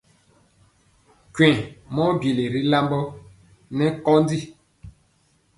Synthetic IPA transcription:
kwɛ̃˨mɔ˦bi˨le˨ɾi˦la˦mbɔ˦ | nɛ˦kɔ˦ndi˦

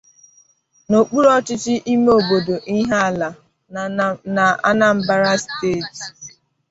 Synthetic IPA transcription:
no˨k͡pu˦ɾɔ˦t͡ʃɪ˦t͡ʃɪ˦ʔi˦m˦o˦˨bo˨do˨ʔi˦ɦa˦a˦˨la˨ | na˨a̰˦na˦m̩˦ba˦ɾa˦steː˦˨t

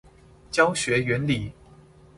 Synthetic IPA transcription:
t͡ɕjɑ˥ʊɕɥɛ˨˧˥ɥɛ˧˥nli˨˩˦

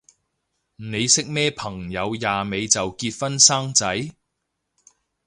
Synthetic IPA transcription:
ne˨˧jsɪ˥k̚mɛː˥pʰɐ˨˩ŋjɐ˨˧wjaː˨me˨˧jt͡sɐ˨wkiː˧t̚fɐ˥nsaː˥ŋt͡sɐ˨˥j

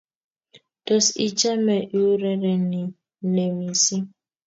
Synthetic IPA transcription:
d̥o˨si˨t͡ʃa˦me˨ʔu˦ɾe˦ɾe˨ni˨˦˨ | ne˨mi˨si˦

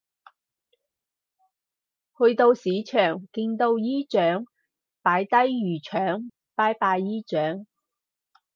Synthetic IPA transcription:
hɵ˧ɥt̪o˧wsiː˨˥t͡ʃʰœː˨˩ŋkiː˧nt̪o˧wjiː˥t͡ʃœː˨˥ŋ | paː˨˥jt̪ɐ˥jːyː˨˩t͡ʃʰœː˨˥ŋ | paː˧˥jpaː˧jːiː˥t͡ʃœː˨˥ŋ

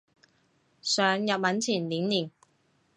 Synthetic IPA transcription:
sœː˨ŋjɐ˨p̚mɐ˨˥nt͡sʰiː˨˩nliː˨˥nliː˨˩n

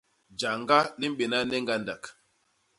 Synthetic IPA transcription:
d͡ʒa˨ŋɡa˦li˦m̩˦ɓe˨na˦nɛ˦ŋɡa˦nda˨k

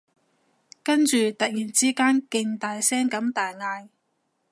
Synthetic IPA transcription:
kɐ˥nt͡ʃyː˨t̪ɐ˨k̚jiː˨˩nt͡siː˥kaː˥nkɪ˧ŋt̪aː˨jsɛː˥ŋkɐ˨˥mt̪aː˨˩jŋaː˧j

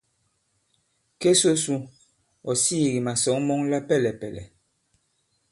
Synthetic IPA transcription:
ke˦so˦su˦ | ɔ˨siː˦˨ɣi˨ma˨sɔ˨˦ŋmɔ˦ŋla˦pɛ˦lɛ˨pɛ˨lɛ̰˨

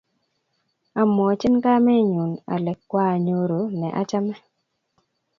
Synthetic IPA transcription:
a˨mɔ˨t͡ʃɪ˦nka˦mɛ˦ɲu˨na̰˨lɛ˨kːwa˦˨ɲo˦ɾo˨nɛ˨ʔa˦t͡ʃa˦mɛ˦

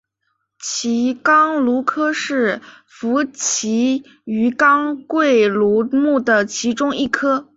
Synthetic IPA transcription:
t͡ɕʰi˧˥kɑ˥ŋlu˧˥kʰɤ˥ʂɻ̩˥˩ | fu˧˥t͡ɕʰi˧˥ | y˧˥kɑ˥ŋkwe˥˩ɪlu˧˥mu˥˩d̪ə˩t͡ɕʰi˧˥ʈ͡ʂʊ˥ŋi˥˩kʰɤ˥

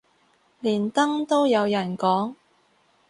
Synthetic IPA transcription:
liː˨˩nt̪ɐ˥ŋt̪o˥wjɐ˨˧wjɐ˨˩nkɔː˨˥ŋ

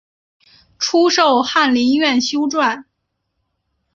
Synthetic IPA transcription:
ʈ͡ʂʰu˥ʂo˥˧ʊxa˥˩nli˧˥nɥɛ˥˩nɕjo˥ʊʈ͡ʂwa˥˩n

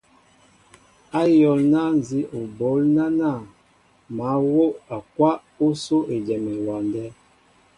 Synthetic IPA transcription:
a˦jɔ˨lna˦n˨zi˨˦ʔo˨bo˨˦lna˦na˦˨ | ma˨˦wo˦ʔa˨kwa˦ʔ | o˦so˦ʔe˨d͡ʒɛ˨me˨wa˨ndɛ˦

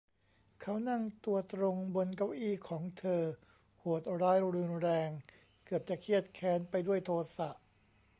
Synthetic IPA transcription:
kʰa˦˥wna˥˩ŋt̪u˧ɐt̪ɾo˧ŋbo˧nka˧˥wʔiː˥˩kʰɔː˩˦ŋt̪ʰɤː˧ | ho˨˩t̪̚ɾaː˦˥jɾɯː˧nɾɛː˧ŋ | kɯ˨˩əp̚t͡ɕa˨˩kʰi˥˩ət̪̚kʰɛː˩˦˥npa˧jdu˥˩əjt̪ʰoː˧sa˨˩ʔ

